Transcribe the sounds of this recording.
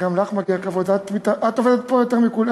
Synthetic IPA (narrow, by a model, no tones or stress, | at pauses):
ɡamlaχmaɡiakavodat̪mit̪aʔat̪oved̪et̪̚pojot̪eʁmikula